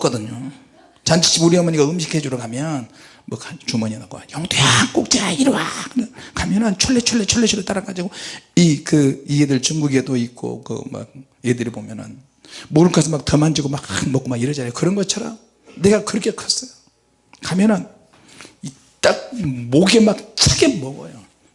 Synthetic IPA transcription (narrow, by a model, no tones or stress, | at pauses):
ʌk͈ʌdɯɲo | t͡ɕant͡ɕʰi̥ɕ͈ʰimuɾiamʌɲiɡaɯmɕʰi̥kʰed͡ʑuɾʌkʰamjʌn | mʌkʰat͡ɕumʌɲinakwa̰jʌŋtejak͈ok̚t͡ɕ͈aaiɾowa̰kɯnnkamjʌnɯnt͡ɕʰoɭːet͡ɕʰoɭːet͡ɕʰoɭːeɕʰiɾɯt͈aɾaɡad͡ʑiɡoikɯiedɯɭt͡ɕuŋɡuɡedoik͈o̰kɯ̰ma̰k̚ | jedɯɾibomjʌnɯ̰n | moɯkʰas̬ʰʌmak̚tʌmand͡ʑiɡomakmʌk͈omaɡiɾʌd͡ʑanajokɯɾʌnɡʌt̚t͡ɕʰaɾʌ̰m | ne̞ɡakɯɾʌkʰekʰas͈ʌjo | kamjʌnɯn | i | t͈ak̚moɡemak̚t͡ɕʰaɡemʌɡʌ̰jo